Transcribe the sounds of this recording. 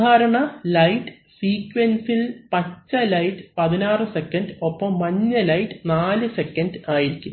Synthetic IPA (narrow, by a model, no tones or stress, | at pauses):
aːɾɐɳɐlɐjʈːɨ | siːkʋensilpɐt͡ɕːɐlɐjʈːɨpɐðinaːrɨsekːɐnɖo̞pːɐmːɐɲːɨlɐjʈːɨnaːlɨsekːɐɳɖɨaːjiɾikʲːu